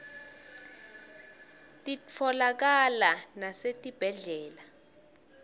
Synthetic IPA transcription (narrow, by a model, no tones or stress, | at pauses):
tʼit͡fʰɔlak̬alanasetʼib̥ʱɛɮɛːla